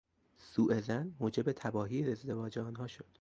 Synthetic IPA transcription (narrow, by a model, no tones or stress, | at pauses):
suːʔe̞zænmoːd͡ʒe̞bet̪ʰæbɒːɦiːezd̪e̞vɒːd͡ʒeɒːnɦɒːʃod̪̥